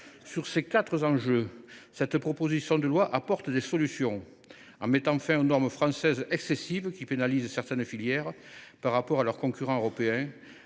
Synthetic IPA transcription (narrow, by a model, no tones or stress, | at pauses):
syʁsekat̪χəzɑ̃ʒøsɛt̪pχɔpozisjɔ̃d̪əlwaʔapɔʁt̪əd̪esɔlysjɔ̃ | ɑ̃met̪ɑ̃fɛ̃ynɔʁməfχɑ̃sɛzɛksesivəkʲipenalizəsɛʁt̪ɛnfiljɛʁə | paʁːapɔʁalœʁkɔ̃kyʁɑ̃øʁɔpeɛ̃